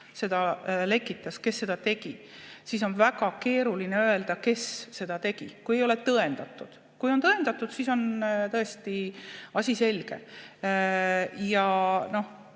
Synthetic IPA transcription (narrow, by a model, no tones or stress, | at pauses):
se̞d̪̥ɑle̞kːˑit̪ːˑɑske̞sːe̞d̪̥ɑt̪e̞ɡ̥i | sis̬o̞nvæɡ̥ɑke̞ːɾulineø̞e̞ld̪̥ɑke̞sːe̞d̪̥ɑt̪e̞ɡ̥ikujejo̞le̞t̪ɤe̞nd̪̥ɑt̪ːˑud̪̥ | kujo̞nt̪ɤe̞nd̪̥ɑt̪ːˑud̪̥siso̞nt̪ɤest̪iɑsʲise̞lɡ̥e̞̰ | jɑno̞h